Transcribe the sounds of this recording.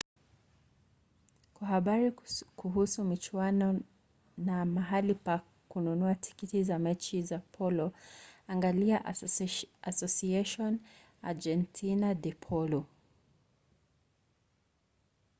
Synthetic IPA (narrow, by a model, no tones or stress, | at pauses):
kwahaɓaɾikuɦusumit͡ʃwanɔ | namaɦalipa | kununuatʰi̥kitizamɛt͡ʃizapʰɔlɔaŋɡaliaʔ | asɔsiɛʃɔn | a̰d͡ʒɛntʰinadɛpʰɔlu